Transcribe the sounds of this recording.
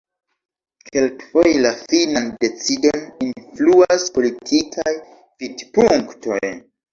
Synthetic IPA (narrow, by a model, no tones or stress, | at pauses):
kʰe̞lkfojlafinande̞t͡sidoninfluaspo̞litʰikʰaj | vidpuŋkto̞j